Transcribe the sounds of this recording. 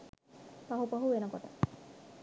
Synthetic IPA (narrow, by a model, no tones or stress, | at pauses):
paɦupaɦuʋenəkoʈə̰